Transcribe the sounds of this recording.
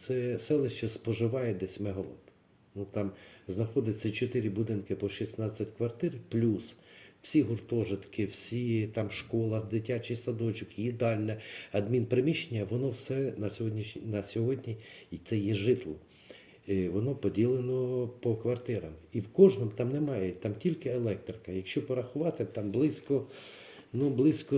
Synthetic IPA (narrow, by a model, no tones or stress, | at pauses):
t̪sɛsɛlˠɪʃt͡ʃɛspɔʒɪʋɑjɛd̪ɛsʲmeɦɔlˠɔt̪ | nut̪ɑmznɐxɔd̪ɪt͡sʲːɐt͡ʃɔt̪ɪɾʲibʊd̪ɪnkɪpɔʃisnɑt͡sʲːɐtʲkʋɐrt̪ɪɾplʲuswsʲiɦʊrt̪ɔʒɪt̪kɪwsʲit̪ɑmʃkɔlˠɐd̪ɪtʲat͡ʃijsɐd̪ɔt͡ʃʊkjid̪ɑlʲnɛɐd̪mʲinpɾemʲiʃenʲːɐʋɔnɔwsɛnɐsʲɦɔdʲnʲiʃnʲinɐsʲɔɦɔdʲnʲiit̪sɛjɛʒɪt̪lˠɔ | ʋɔnɔpɔdʲilˠenɔpɔkʋɐrt̪ɪɾɐmiwkɔʒnɔmt̪ɑmnɛmɑjɛt̪ɑmtʲilʲkɪelˠɛkt̪ɾɪkɐjɐkʃt͡ʃɔpɔɾɐxʊʋɑt̪ɪt̪ɑmblˠɪsʲkɔ | nublˠɪsʲkɔ